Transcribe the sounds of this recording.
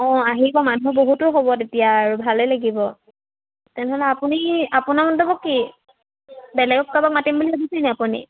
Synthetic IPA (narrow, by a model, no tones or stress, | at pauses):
ɔ̃aɦibɔmanuboɦutʊɦobɔtetijaːɹubʱalɛlaɡibɔ | tɛnɛɦɔlɛapuniapunamɔndɔbɔkːi | bɛlɛɡɔk̚kabak̚matimbuliaɡisajnɛapunḭ